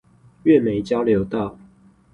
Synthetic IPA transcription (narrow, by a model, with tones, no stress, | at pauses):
ɥɛ˥˨me˨˦ɪt͡ɕjɑ˦ʊljo˨˦ʊt̪ɑ˥˨ʊ